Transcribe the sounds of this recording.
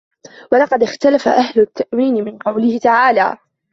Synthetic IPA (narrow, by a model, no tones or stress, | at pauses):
wɑlɑqɑd̪ɪxt̪alafa̰ʔahlʊt̪ːaʔwiːnɪmɪnqɑwlɪhɪt̪aʕaːla̰ː